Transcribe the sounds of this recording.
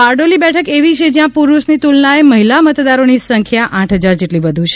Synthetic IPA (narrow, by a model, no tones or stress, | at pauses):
paɾɖolibɛʈʰəkeʋit͡ʃʰed͡ʒjãpuɾuʃnit̪ulnaeməɦilamət̪d̪aɾonisə̃ŋkʰjaʔãʈʰɦəd͡ʒaɾd͡ʒeʈliʋəd̪ʱũt͡ʃʰe